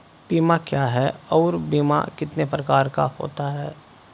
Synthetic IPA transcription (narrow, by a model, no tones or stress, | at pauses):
b̥iːmakjaːɦɛːɔːɾbiːma̰kɪt̪nepɾɐkaːɾka̰ho̰ːt̪aɦɛː